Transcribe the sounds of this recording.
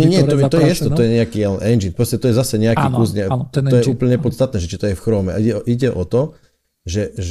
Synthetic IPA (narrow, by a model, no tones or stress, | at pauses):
ɲɛɲɪɛɛt̪ɔt̪ɔjɛjɛst̪ɔt̪ɔjɛɲɛakiːjɛlɛnʔɛnd͡ʒinpɾɔscɛt̪ɔjɛzasɛɲɛakiːkusɲɛt̪ɔɛuːpl̩ɲɛpɔt̪st̪at̪̚nɛːʒɛt͡ʃit̪ɔjɛfxɾɔːmɛ̰a̰iɛʔiɟɛʔɔt̪ɔ | ʒɛ